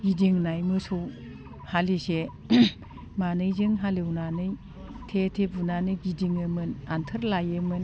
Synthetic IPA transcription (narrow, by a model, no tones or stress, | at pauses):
ɡidiŋnajmɯsow | halise | manɯjzɯŋɦalewnanɯj | tʰetʰebunanɯjɡidiŋɯmɯnantʰəɾlajɯmɯn